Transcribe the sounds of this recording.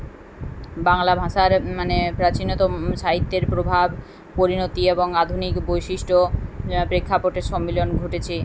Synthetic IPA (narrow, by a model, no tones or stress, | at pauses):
baŋlabʱaʃaɾmanepɾat͡ɕinot̪oʃaɦit̪ːeɾpɾobʱab | poɾinot̪ieboŋad̪ʱunikbojʃiʃʈopɾekʰːapoʈeɾʃɔmːilonɡʱoʈet͡ɕʰe